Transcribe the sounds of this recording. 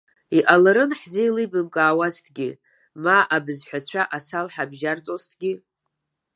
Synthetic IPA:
iʔalaɾɨnħzeilɨjbɨmkʼaːwastʰɡʲi | maʔabɨzħʷᶣat͡ɕʷʰaʔasalħabʒart͡sʼostʰɡʲi

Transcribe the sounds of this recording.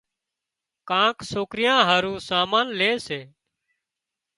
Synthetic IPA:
kãːksoːkɾɪjãːɦaːɾũːsaːmaːnleːseː

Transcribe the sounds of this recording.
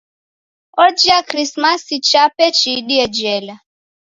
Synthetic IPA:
ɔd͡ʒiakɾismasit͡ʃapɛt͡ʃiɗiɛd͡ʒɛla

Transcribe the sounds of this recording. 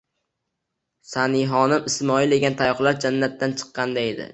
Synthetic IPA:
saniɦɒnɪmɪsmɒɪld̪e̞ɡʲant̪ʰajɒχlaɾd͡ʒanːat̪ːant͡ʃʰɨ̥qːɑnd̪ae̞d̪ɪ̰

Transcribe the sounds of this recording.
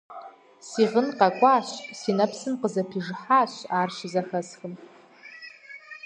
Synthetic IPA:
siʁənqʼakʷʼaːɕʷsinapʰsɨmqəzapʰiʐħaːɕʷaːrʃizaxɐsxəm

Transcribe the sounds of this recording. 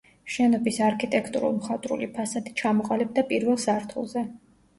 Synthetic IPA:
ʃɛnɔbisaɾkʰit̪ʼɛkʰt̪ʼuɾṵlˠmχat̪ʼɾṵlipʰasad̪i̥t͡ʃʰamɔqʼalɛb̚d̪apʼiɾvɛlˠsaɾt̪ʰṵlˠzɛ

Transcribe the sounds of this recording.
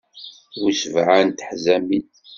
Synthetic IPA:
wusvʕant̪ħzæmid

